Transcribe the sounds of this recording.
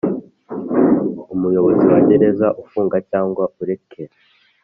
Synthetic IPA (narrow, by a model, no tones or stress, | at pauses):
umujo̞βo̞ziwaɟe̞ɾe̞zaʔufuːŋɡacaːŋɡwaʔuɾe̞kʰe̞ɾa